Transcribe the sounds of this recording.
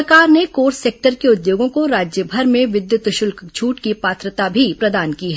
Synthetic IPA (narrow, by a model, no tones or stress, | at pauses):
kaːɾnekoːɾseːk̚ʈəɾkeʊd̪joːɡõkoɾaːd͡ʒjəbʱɐɾmẽʋɪd̪jʊt̪ʃʊlkt͡ʃʰuːʈkipaːt̪ɾət̪abʱipɾɐd̪aːnkiɦɛ